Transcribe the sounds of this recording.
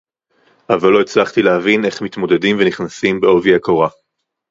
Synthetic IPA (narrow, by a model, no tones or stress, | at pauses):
ʔavalːo̞it͡slaχt̪ilehavine̞χmit̪mo̞d̪e̞dimveniχnasimbeo̞viakoʁa